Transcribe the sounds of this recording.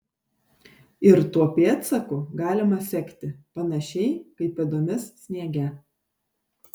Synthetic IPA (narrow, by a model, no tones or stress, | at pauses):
ɪɾt̪uɔpʲeːt̪sɐkʊɡɑːlʲɪmɐsʲɛkʲt̪ʲɪpɐnɐʃʲɛɪkɐɪpʲid̪oːmʲɪssʲnʲiɛɡʲɛ